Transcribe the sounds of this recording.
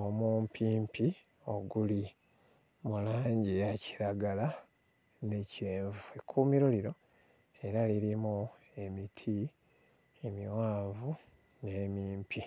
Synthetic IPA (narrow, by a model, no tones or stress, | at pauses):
omuːmpʰiːmpi | o̞ɡuli | mulaːɲɟijaci̥ɾaɡala | ne̞ciɾeːɱvuekʰumiɾoliɾo̞ | e̞ɾaliɾimu | e̞mitʰi | e̞miwaːɱvu | nemiːmpi